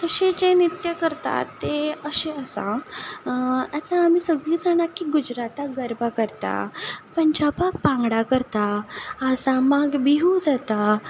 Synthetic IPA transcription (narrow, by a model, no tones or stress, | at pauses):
kəɕed͡ʑenit̪jəkəɾt̪a̰t̪ːeəɕeəsã̰ | at̪ãːmiːsəɡlid͡zaɽ̃akːiɡud͡ʑɾat̪aɡəɾbʱakəɾt̪a̰pəɲd͡ʑabak̚pãŋɡɽakəɾt̪aəsamaɡbiɦud͡zat̪a